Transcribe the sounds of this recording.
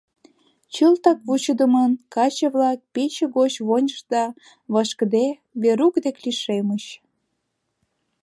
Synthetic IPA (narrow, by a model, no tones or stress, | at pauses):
t͡ɕəlt̪ɑk̚βut͡ɕəd̪əmənkɑt͡ɕə̆βlɑk̚pet͡ɕĕɣot͡ɕβonʲəʃd̪ɑ | βəʃkd̪e | βeɾukd̪ekliʃemət͡ɕ